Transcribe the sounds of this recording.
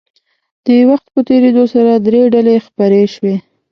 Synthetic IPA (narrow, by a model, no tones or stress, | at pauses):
d̪̥əwaxt̪̚pət̪eɾed̪osaɾad̪ɾeɖalexpaɾeʃwe